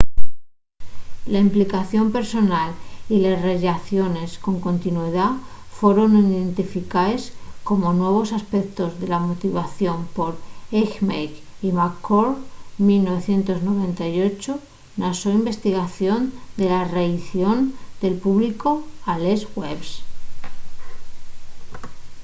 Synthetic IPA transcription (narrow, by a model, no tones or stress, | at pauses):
laimplikaθjo̞mpe̞ɾso̞nalilezreʝaθjo̞ne̞sko̞ŋko̞nt̪inweða | fwe̞ɾo̞nniðe̞nt̪ifikaesko̞mo̞nwe̞β̞o̞saspe̞k̚t̪o̞zðe̞lamo̞t̪iβaθjo̞mpo̞ɾekmejkimakkːoɾmilno̞βe̞θje̞nt̪o̞zno̞β̞e̞nt̪ajo̞t͡ʃo | nasoimbe̞st̪iɣaθjo̞nd̪e̞lareiθjo̞nd̪e̞lpuβliko̞alesɣweβs